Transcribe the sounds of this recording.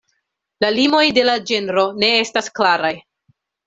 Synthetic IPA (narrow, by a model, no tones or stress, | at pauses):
lalimo̞jde̞lad͡ʒe̞nɾo̞ne̞e̞stasklaɾaj